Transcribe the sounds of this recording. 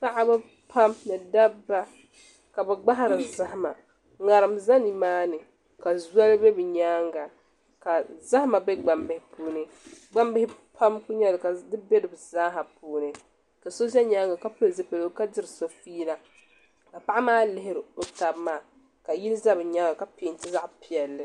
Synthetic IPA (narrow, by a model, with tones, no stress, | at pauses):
pa˦ʔa˦bɛ˦ | pʰa˦mnɨ˨da˦bːa˦ | ka˨bɛ˨ɡ͡ba˦ɦa˦ɾɨ˨za˦hma˨ | ŋa˨ɾɨ˨mza˦ni˨maː˦nɨ˨ | ka˨zwa˦lbɛ˦bɨ˨ɲaː˦ŋɡa˨ | ka˨za˦hma˨bɛ˦ɡ͡ba˨mbɪ˦hɪ˦puː˦nɨ˦ | ɡ͡ba˦mbɪ˦hɪ˦pʰa˦mku˦ɲɛ˦lɨ˨ka˨dɨ˦bɛ˦dɨ˨bɨ˨zaː˦ɦa˨puː˦nɨ˨ | ka˨so˦s̬ɛ˦ɲaː˦ŋɡa˨ka˦pɨ˦lzɨ˦pe˨lo˦ka˦dɨ˦ɾɨ˨so˨fiː˦la˨ | ka˨pa˦ʔa˦maː˦lɪ˦ɦɪ˨ɾɨ˨o˨ta˨bmaː˦˨ | ka˨ji˦lza˦bɨ˨ɲa˦ŋɡa˨ka˨piː˨n˦tɪ˦za˦ʔpi˨ɛ˨lːɨ˨